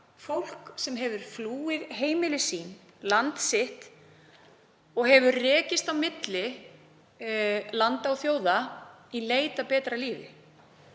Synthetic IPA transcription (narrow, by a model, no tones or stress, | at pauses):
fowl̥ksɛmɦɛvʏɾ̥fluːɪðɦeːjmɪlɪsiːn | lant̪sɪht̪ | ɔɣɦɛvʏrɛːcɪst̪awmɪt̪lɪ | lant̪awθjoːwðaileːjt̪apɛːt̪ɾaliːvɪ̰